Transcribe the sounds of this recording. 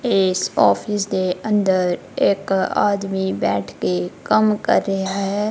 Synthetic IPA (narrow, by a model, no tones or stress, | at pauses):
ɪsɔːfʰɪs̬d̪eə̃nd̪əɾ | eːka̰ːd̪mibɛ̰ːʈʰkekɐmkɐ̰ɾːɐɦaɦɦɛ